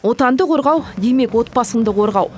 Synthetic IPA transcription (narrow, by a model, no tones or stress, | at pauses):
wo̞t̪ɑnd̪əqʰo̞ɾʁɑwd̪e̞jme̞kwo̞t̪̚pɑsəmd̪əqʰo̞ɾʁɑw